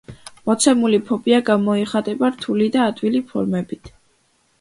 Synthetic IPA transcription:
mɔt̪sʰɛmulipʰɔbiaɡamɔiχat̪ʼɛbaɾt̪ʰulid̪aːt̪ʼvilipʰɔ̰ɾmɛbit̪ʰ

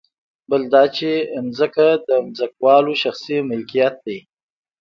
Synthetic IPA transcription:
bəld̪ɑt͡ʃemzəkad̪əmzək̚wɑloʃaxsimɪlkijat̪̚d̪aj

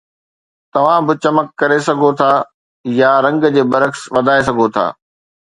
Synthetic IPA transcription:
t̪ɐʋ̤ãbɪt͡ɕɐməkːɐɾesɐɡʱot̪ʰaː | jaɾɐ̃ŋɡd͡ʑeːbɐɾəksʋɐd̪ʱaːes̬ɐɡʱot̪ʰa̰ː

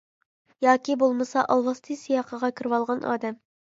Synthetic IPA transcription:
jɑːkʲibolˠmɨsɑʔɑlˠwɑst̪ʰɨsijɑːqʰəʁɑkʲʰyɾwɑlˠʁɑnʔɑ̰ːd̪ɛm

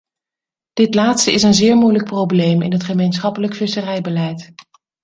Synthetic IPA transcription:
d̥ɪtlaːtstəɪsənzɪːɹmujlək̚prowblejmɪ̰nɦətχəmejnsχɑpələkfɪsərɛjbəlɛjt

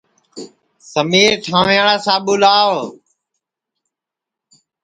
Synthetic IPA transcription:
səmiːɾʈʰãːʋjaːɳaːsãːɓʊlaːo

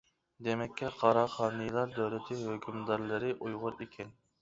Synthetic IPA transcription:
d̪emɛkʲːɛqʰɑɾɑχɑːnɨjlˠɑɾd̪øwlɪt̪ʰɪhøkʲʰymd̪ɑɾlˠɨɾɪʔujʁʊɾikʲʰɛn

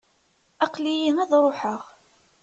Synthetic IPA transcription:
ɑqlijiŋæðɾˤoħəʁ

